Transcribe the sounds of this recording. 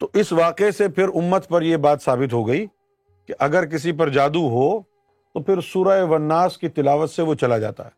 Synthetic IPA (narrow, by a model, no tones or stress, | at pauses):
t̪oʔɪsʋaːqesepʰɪɾʊmːət̪pɐɾjebaːt̪saːbɪt̪ɦoɡɐiː | keʔɐɡəɾk̬ɪs̬ip̬ɐɾd͡ʒaːd̪uɦo | t̪opʰɪɾsuːɾaeʋɐnːaːskit̪ɪlaːʋət̪seʋot͡ʃɐlad͡ʒa̰ːt̪a̰ɦɛː